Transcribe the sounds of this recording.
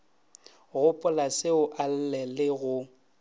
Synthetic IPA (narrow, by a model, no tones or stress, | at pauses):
ɣʊpʼʊlasɪʊʔal̩lɛlɪɣʊ